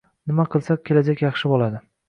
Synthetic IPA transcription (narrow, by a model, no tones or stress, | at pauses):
nɪmaqʰɨlˠsak̚ʲʰːe̞lad͡ʒakʲjɑχʃɪbɒlad̪ɪ